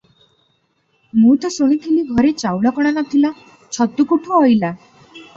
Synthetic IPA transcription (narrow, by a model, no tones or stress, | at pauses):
mut̪ɔsuɽ̃it̪ʰiliɡʱɔɾet͡ʃawɽɔkɔɽ̃anɔt̪ʰila | t͡ʃʰɔt̪ukuʈʰuɔjla